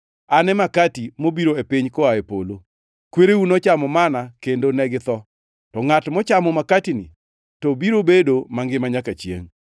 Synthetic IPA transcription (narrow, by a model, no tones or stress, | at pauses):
anɛmakatimobiɾoepɪɲkɔaepo̰lo | kweɾeunɔt͡ʃamɔmanakendonɛɡɪt̪ɔ | tɔŋatmɔt͡ʃamɔmakatinɪ̰ | tɔbiɾobedomaŋɡɪmaɲakat͡ʃjḛŋ